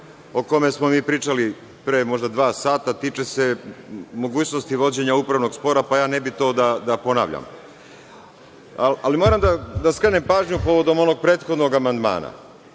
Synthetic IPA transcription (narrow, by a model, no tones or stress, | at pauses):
o̞ko̞me̞smo̞miːpɾiːt͡ʃali | pɾemo̞ʒd̪ad̪ʋaːsaːt̪at̪iːt͡ʃe̞se̞mo̞ɡuːt͡ɕno̞st̪iʋo̞d͡ʑe̞ɲaupɾaʋno̞ɡspo̞ɾapajaːne̞bit̪o̞ːd̪ad̪apo̞na̰ːʋʎa̰m | aalimo̞ɾamd̪ad̪askɾenempaːʒɲupo̞ʋo̞d̪o̞mo̞no̞ɡ̚pɾe̞ːt̪xo̞d̪no̞ɡamand̪ma̰ːna̰